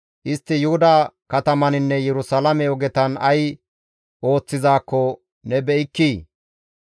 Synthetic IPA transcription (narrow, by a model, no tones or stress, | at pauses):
ʔɪst̪ːɪjʊhʊd̪aːkɐt̪ɐmɐnɪnːɛjɛɾʊsɐlɐmɛɔɡɛt̪ɐnɐj | ʔo̞ːt͡sːɪzaːkːɔ | nɛbɛʔɪkːiː